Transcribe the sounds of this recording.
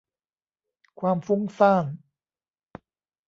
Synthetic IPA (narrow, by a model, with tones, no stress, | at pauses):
kʰwaː˧mfu˥ŋsaː˥˩n